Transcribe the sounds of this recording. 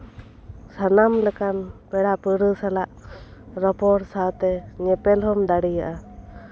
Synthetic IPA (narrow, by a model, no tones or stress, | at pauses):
sanamlɛkanbɛɽapəɾəsalaʔɾɔpɔɾsat̪ɛɲɛpɛlhɔmd̪aɽijaʔa